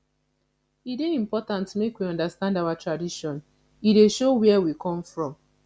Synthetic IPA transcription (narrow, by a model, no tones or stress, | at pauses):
ideĩm̩pɔtãntmekwiɔ̃ndastãndawatɹadiʃɔ̃n | ideʃowɛwikɔ̃mfɹɔ̃m